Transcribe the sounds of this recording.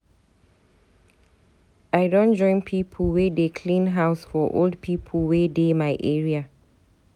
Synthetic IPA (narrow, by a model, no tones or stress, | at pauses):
aɪdõnd͡ʒɔ̃ɪ̃npʰipʰəl̩wedekʰlĩnɦaʊsfɔʔo̰ld̚pʰipʰəlwedemaɪʔɛɹia